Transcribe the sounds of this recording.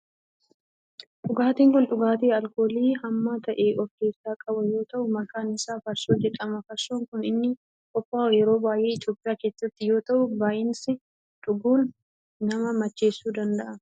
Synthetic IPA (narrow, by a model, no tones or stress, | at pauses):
ᶑʼʊɡaːt̪iːŋkʊnᶑʼʊɡaːt̪eːɐlko̞ːliːhɐmːaːt̪ɐʔe̞ːʔɔɾke̞ːsːaːkʼɐbɐjo̞ːt̪ɐʔʊmɐkaːnɪsaːfɐɾsoːd͡ʒɛᶑɐmɐfɐɾsoːŋkʊnɪnːɪ | kʼɔfːaːjɛɾo̞ːbaːjʔe̞ːɪt̪jo̞ːpʼɪjaːke̞ːsːɐt̪ːɪjo̞ːt̪ɐʔʊbaːʔɪnsɪ | ᶑʊɡuːnː | ɐmɐmɐt͡ʃːe̞ːsːuːd̪ɐnd̪ɐʔɐ